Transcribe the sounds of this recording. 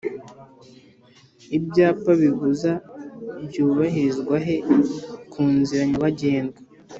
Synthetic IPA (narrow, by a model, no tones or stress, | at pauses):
ibjaːpaβivuzabɟuːβaɦiɾizɡwaɦekʰuːnziɾaɲaβaɟe̞ːnɡa